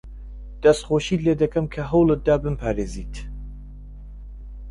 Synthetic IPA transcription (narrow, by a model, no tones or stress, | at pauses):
d̪̥ɐst̪χoːʃiːt̪leːd̪ɐkʰɐmkʰɐɦɐwlɨt̪̚d̪aːbɨmpʰaːɾeːziːt̪ʰ